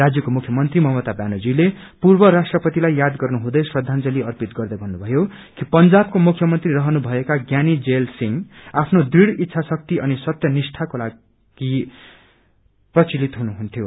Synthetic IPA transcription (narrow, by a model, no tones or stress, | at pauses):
rad͡zjʌkomukʰjʌmʌnt̪rimʌɦmʌt̪abanod͡zile | purbʌɾasʈrʌpʌt̪ilajːad̪ɡʌrnuɦũd̪ʌjswʌd̪ʱant͡sʌliʌrpit̪ɡʌrd̪ʌjbʱʌnːubʱʌjo | kipʌnd͡zab̚komukʰjʌmʌnt̪riɾʌɦʌnubʱʌekaɡjanid͡zelsiŋapʰnod̪iɽit̪ːsʰasʌk̚t̪iʌnisʌt̪jʌnisʈʰakola | ɡ̥i | prʌt͡silit̪ɦunuɦunt̪ʰjo